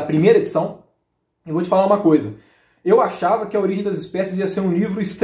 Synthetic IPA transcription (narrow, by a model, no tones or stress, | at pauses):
ɐpɾimejɾɐed͡ʒisɐ̃w̃ | ɪvowt͡ʃɪ̥falaɾũmɐkojzɐ | ewaʃavɐkɪɐoɾiʒẽd̪ɐzɪspɛsɪziɐseɾũlivɾʊist̪